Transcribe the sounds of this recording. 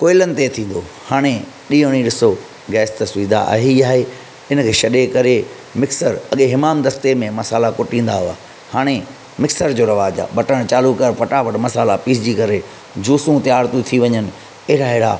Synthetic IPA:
koːɪlənɪ̆t̪et̪ʰĩːn̆d̪ohaːɽ̃e | ɗiːõɽ̃iɗɪso | ɡɛːst̪ɐsʊiːd̪a̰a̰ɦiaːɦe | ɪnkʰeːʃɐɗekɐɾe | mɪksəɾɐɠeɦɪmaːmd̪ɐst̪emẽmɐsaːlakʊʈĩːn̆d̪aɦua̰ː | haːɽ̃e | mɪksəɾd͡ʑoːɾɐʋaːd͡ʑa̰ɓɐʈəɽ̃t͡ɕaːlukəɾpɐʈaʋɐɽmɐsaːlapiːsd͡ʑikɐɾe | d͡ʑuːsũt̪jaːɾt̪ũt̪ʰiʋɐɲənɪ̆ | ɐɦɪɾaɦɪɽa

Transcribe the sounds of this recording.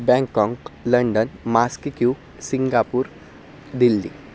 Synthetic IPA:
bɛ̃ŋkːɔ̃ŋkləɳɖənmaskkju | siŋɡapuːɾ | d̪ilːḭ

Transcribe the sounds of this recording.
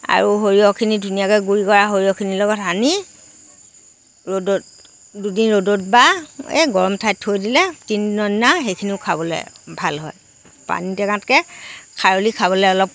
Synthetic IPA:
a̰ɹuɦoɹijɔkʰinidʱunijakɛɡuɹikɔɹaɦoɹiɔkʰinilɔɡɔtani | ɹodot̚ | dudinɹodot̚baḛɡɔɹɔmtʰajtʰhojdilɛtinnɔnːaɦejkʰiniʊkʰabɔlɛ̰bʱalɦɔj | pa̰nitɛkãtkɛkʰaɹolikʰaβɔlɛɔlɔp̚

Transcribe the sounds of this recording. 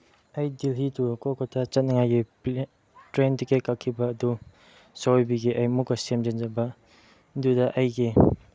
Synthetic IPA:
ajdilɦitukɔkʰɔtʰat͡ʃɐt̚nɐŋajɡi | tɾentikekakʰːibɐːdu | sawojbiɡiʔajmukːɐsemd͡ʒend͡ʒɐbɐ | dudɐʔajɡi

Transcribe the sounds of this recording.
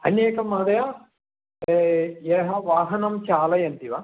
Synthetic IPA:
ɐ̰neːkɐmaːd̪ɐja | ɛːɦɐʋaːɦɐnɐmt͡ʃaːlɐjɐnt̪iʋaː

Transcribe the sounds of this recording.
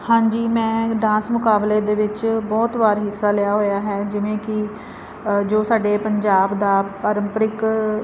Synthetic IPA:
hãːɲd͡ʒiːmɛ̃ːɖãːsmʊkaːbleːd̪eːʋɪt͡ʃbɔːt̪ʋaːɾɦɪsːaːlɪjaːɦoːjaːɦɛːd͡ʒɪʋẽːkɪ | d͡ʒoːsaːɖeːpəɲd͡ʒaːbd̪aːpəɾəmpɾɪk

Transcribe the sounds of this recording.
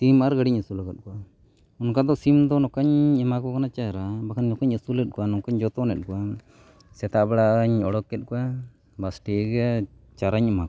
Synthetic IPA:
t̪imaɾɡaɽiɲəsulaɡat̪̚kua | ɔnkad̪ɔsimd̪ɔnɔkaɲɛmakɔkanat͡ʃaɾabakaɲːɔkaɲəsulɛt̪̚kuanɔkaɲd͡ʒɔt̪ɔnɛt̪̚kua | sɛt̪abɛɽaɲɔɽɔkːɛt̪̚ˀkua | basʈiɡɛat͡ʃaɾaɲɛmak

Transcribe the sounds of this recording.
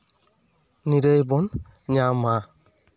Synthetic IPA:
niɾəjbɔn | ɲama

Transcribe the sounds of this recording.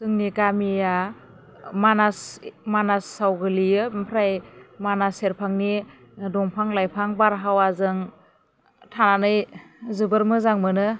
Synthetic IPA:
sɯŋnikamija | manasmanasːawɡɯlijɯpʰɾajmanaseɾpʰaŋni | dɔŋpʰaŋlajpʰaŋbaɾɦawazɯŋ | tʰananɯjzɯbɯɾmɯzaŋmɯnɯ

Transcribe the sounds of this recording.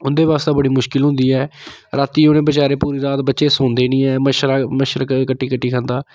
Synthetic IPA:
ʊnd̪eːʋaːst̪aːbəɽiːmʊʃkɪlɦʊ̃nd̪iːɛːɾaːt̪iːonẽːbət͡ʃaːɾeːpuːɾiːd̪aːt̪̚bətːʃeːsõːnd̪eːnĩːɛːməʃɾaːməʃəɾəkkəʈːiːkəʈʰːiːkʰãːnd̪aː

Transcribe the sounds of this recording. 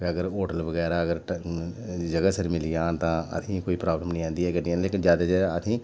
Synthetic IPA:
əɡəɾoːʈəlʋəɡɛːɾaːəɡəɾ | d͡ʒəɡasəɾmɪlijãːt̪ãːə̰t̪ʰĩːkoːiːpɾaːbləmnəĩːãːnd̪iːɦɛːkəiɛ̃ːleːkɪnd͡ʒjaːd̪ad͡ʒaːd̪aət̪ʰĩː

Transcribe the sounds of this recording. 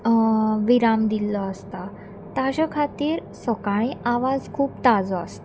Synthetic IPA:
ʋiɾamd̪ilɔəst̪a | t̪ad͡ʑakʰat̪iːɾ | səkaɭ̃ĩʔaʋad͡zkʰuːpt̪ad͡zɔəst̪

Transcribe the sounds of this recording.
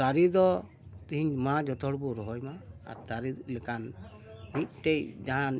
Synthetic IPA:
aɾid̪ɔ | t̪iɦiɲmad͡ʒɔt̪ʰɔɽbuɾɔɦɔjmaa̰ɾd̪aɾilɛkan | nit̪̚ˀʈejd͡ʒaɦan

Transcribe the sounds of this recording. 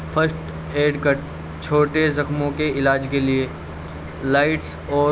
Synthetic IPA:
fɐsʈ | eːɖkəʈ | t͡ʃʰoːʈezɐxmõkeɪlaːd͡ʒkelie | laːɪʈs | ɔː

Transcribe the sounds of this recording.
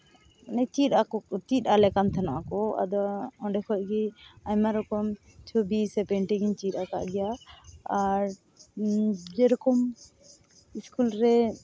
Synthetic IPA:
nɛt͡ʃiɗakɔt̪iɗalɛkant̪ʰana̰ʔkɔa̰d̪ɔɔ̃ɖɛkʰɔkiajmaɾɔkɔm | t͡ʃʰɔbisɛpɛɳʈiɡiɲt͡ʃiɗaka̰ʔɡɛjaaɾ | d͡ʒɛɾɔkɔm | iskulɾɛ

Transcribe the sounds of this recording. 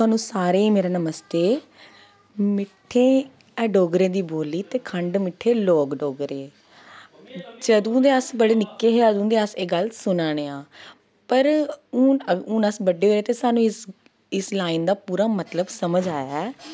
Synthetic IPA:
t̪ʊaːnũːsaːɾeːmeːɾaːnəməst̪eː | mɪʈʰːeː | ɛːɖoːɡɾẽːd̪iːboːliːt̪eːkʰəɳɖmɪʈʰːeːloːkɖoːɡɾeː | d͡ʒəd̪ũːd̪eːəsbəɽeːnɪkːeːɦeːəd̪ũːd̪eːəseːɡəlsʊnãːɽeːãː | pəɾuːəʊ̃ːnəsbəɖeːɦoːɾeːt̪eːsaːnũːɪs | ɪslaːind̪aːpuːɾaːmət̪ləbsəməd͡ʒaːjaɛː

